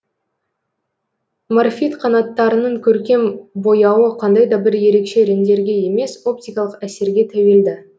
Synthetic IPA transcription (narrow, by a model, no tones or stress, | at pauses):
marfʲit̪qʰɑnɑt̪ːɑɾənəɴkʲʰɵɾkʲe̞mbo̞jɑwəqʰɑnd̪ɑjd̪ɑbɪɾje̞ɾe̞kʃe̞ɾend̪e̞ɾɡʲe̞je̞me̞so̞p̚t̪ijkɑlˠəqæse̞ɾɡʲe̞t̪ʰæweld̪ɪ